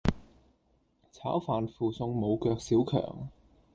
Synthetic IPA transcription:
t͡sʰa̰ː˨˥wfaː˨nfuː˨sʊ˧ŋmo˨˧wkœː˧k̚siː˨˥wkʰœ̰ː˨˩ŋ

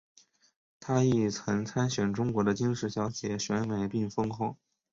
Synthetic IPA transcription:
t̪ʰa˥i˥˩t͡sʰɤ˧˥ŋt͡sʰa˥nɕɥɛ˨˩nʈ͡ʂʊ˥ŋkwɔ˧˥d̪ə˧t͡ɕi˥ŋʂɻ̩˧˥ɕjɑ˧˥ʊt͡ɕjɛ˨˩˦ɕɥɛ˧˥nme˨˩ɪpi˥˩ŋfɤ˥ŋkʰʊ˥˩

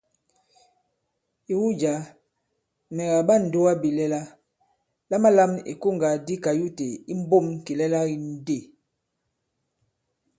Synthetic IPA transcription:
i˨wu˦d͡ʒa˨˦ | mɛ˨ɣa˨ba˦˨n̩˨do˦wa˦bi˨lɛ˦la˦ | la˦ma˦la˦mḭ˨ko˦˨ŋɡa˨di˦ka˨ju˦te˨i˦m˦bo˦˨m˨ki˨lɛ˦la˦i˦n̩˦de˦˨

